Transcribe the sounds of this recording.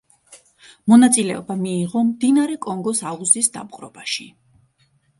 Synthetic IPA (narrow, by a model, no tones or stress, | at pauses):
mɔnat̪sʼilɛɔbamiːʁɔmd̪inaɾɛkʼɔŋɡɔsauzisd̪a̰bqʼɾɔb̥aʃi